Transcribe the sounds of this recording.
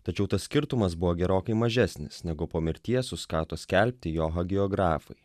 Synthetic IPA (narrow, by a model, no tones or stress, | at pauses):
t̪ɐt͡ʃʲɛʊt̪ɐssʲkʲɪɾt̪ʊmɐs̬bʊʋoːɡʲɛɾoːkɐɪmɐʒʲɛsʲnʲɪsnʲɛɡʊpoːmʲɪɾʲt̪ʲiɛsʊskɑːt̪oːsʲkʲɛlʲpʲt̪ʲɪjoːɦɐɡʲɪɔɡɾɑːfɐ̰ɪ